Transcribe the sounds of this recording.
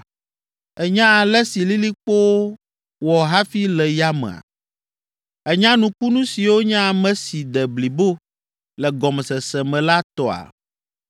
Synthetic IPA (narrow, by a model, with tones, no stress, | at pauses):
ɛ˨ɲã˦˨lɛ˦si˨li˦li˦k͡po˦wo˦ | wɔ˨ɦa˦fi˦lɛ˨ja˦mɛ̰̃˨a̰˨ | ɛ˨ɲã˦nũ˨k͡pu˦nũ˦si˨wo˦ɲã˦˨mɛ̃˦si˨d̪ɛ˨bli˨bo˦ | lɛ˨ɡɔ˨m˨sɛ˨sɛ˨mɛ̃˨la˦t̪ɔ˨a̰˨